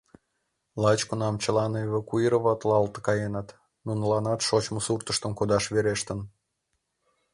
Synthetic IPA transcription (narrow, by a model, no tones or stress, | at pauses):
lɑt͡ɕkunɑmt͡ɕəlɑnoeβɑkuiɾoβɑt̪lɑlt̪əkɑjenɑt̪ | nunlɑnɑt̪ʃot͡ɕməsurt̪əʃt̪əmkod̪ɑʃβeɾeʃt̪ən